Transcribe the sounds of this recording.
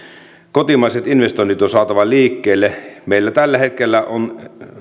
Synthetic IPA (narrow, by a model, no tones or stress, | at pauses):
kot̪imɑˑiset̪inʋest̪oinit̪onsɑːt̪ɑʋɑliːkːeːlːemeilːæt̪ælːæhet̪kelːæʔon